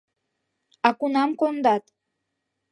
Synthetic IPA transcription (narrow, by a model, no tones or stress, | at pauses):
ɑkunɑmkond̪ɑt̪